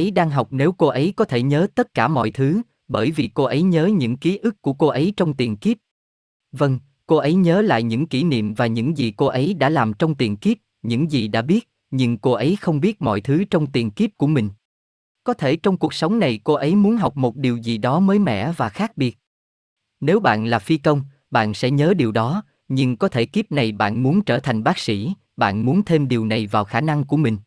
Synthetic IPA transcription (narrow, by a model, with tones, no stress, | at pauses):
ʔə˨˦jɗaː˧ŋɦa˨˩wk͡p̚ne˨˦wko˧ʔə˨˦jkɔ˨˦t̪ʰe˧˩ɲəː˨˦t̪ə˦˥t̚kaː˧˩mɔ̰˧˨jt̪ʰɨ˨˦ | ɓəː˧˩jvi˨˩ko˧ʔə˨˦jɲəː˨˦ɲɨ̰˧˥ŋki˨˦ʔɨ˦˥kkːu˧˩əko˧ʔə˨˦jt͡ɕɔ˧wŋ͡mt̪i˨˩ənki˦˥p̚ | və˧ŋ | ko˧ʔə˨˦jɲəː˨˦la̰ː˧˨jɲɨ̰˧˥ŋki˧˩nḭ˧˨əmvaː˨˩ɲɨ̰˧˥ŋzi˨˩ko˧ʔə˨˦jɗa̰ː˧˥laː˨˩mt͡ɕɔ˧wŋ͡mt̪i˨˩ənki˦˥p̚ | ɲɨ̰˧˥ŋzi˨˩ɗa̰ː˧˥ɓi˦˥ət̚ | ɲɨ˧ŋko˧ʔə˨˦jxə˧wŋ͡mɓi˦˥ət̚mɔ̰˧˨jt̪ʰɨ˨˦t͡ɕɔ˧wŋ͡mt̪i˨˩ənki˦˥p̚ku˧˩əmï˨˩ŋ̟ | kɔ˨˦t̪ʰe˧˩t͡ɕɔ˧wŋ͡mku˨˩ək̚sə˨˦wŋ͡mna˨˩jko˧ʔə˨˦jmu˨˦nɦa˨˩wk͡p̚mo˨˩t̚ɗi˨˩əwzi˨˩ɗɔ˨˦məː˨˦jmɛ̰˧˥˨vaː˨˩xaː˦˥k̚ɓi˨˩ət̚ | ne˨˦wɓa̰ː˧˨nlaː˨˩fi˧kə˧wŋ͡m | ɓa̰ː˧˨nsɛ̰˧˥ɲəː˨˦ɗi˨˩əwɗɔ˨˦ | ɲɨ˧ŋkɔ˨˦t̪ʰe˧˩ki˦˥p̚na˨˩jɓa̰ː˧˨nmu˨˦ənt͡ɕəː˧˩t̪ʰa˨˩jŋ̟ɓaː˦˥k̚sḭ˧˥ | ɓa̰ː˧˨nmu˨˦nt̪ʰe˧mɗi˨˩əwna˨˩jvaː˨˩wxaː˧˩na˧ŋku˧˩əmï˨˩ŋ̟